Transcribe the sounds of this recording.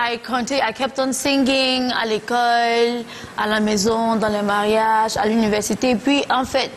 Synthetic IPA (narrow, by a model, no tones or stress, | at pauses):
ajkʰɔ̃t̪ĩajkɛp̚t̪ɔ̃nsĩŋɡiŋa̰lekɔl | alamɛzɔ̃d̪ɑ̃lɛmaʁjaʒa̰lynivɛʁsit̪epɥiʔɑ̃fɛt̪̚